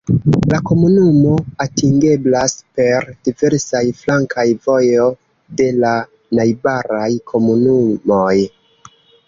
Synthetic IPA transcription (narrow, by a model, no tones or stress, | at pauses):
lako̞munumo̞atiŋɡe̞blaspe̞ɾdive̞ɾsajflaŋkʰajvo̞jo̞ | de̞la | najbaɾajkʰo̞munumo̞j